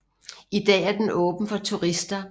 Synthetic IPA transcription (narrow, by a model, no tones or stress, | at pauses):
id̥ɛ̰ːæɐd̥enɔ̽ːb̥n̩fɒ̽t͡sʰuʁisd̥ɐ